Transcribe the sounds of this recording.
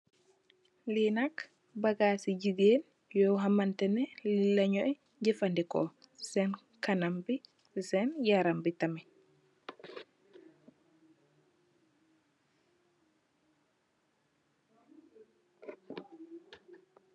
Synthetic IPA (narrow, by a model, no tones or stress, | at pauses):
linak | bɐɡaːsiɟiɡeːn | jɔwɦamɐntɛnɛlilːɐɲɔʔɛ | ɲɟifandikɔ̰ | sɛn | kanambi | sɛnjaɾambitɐmɛ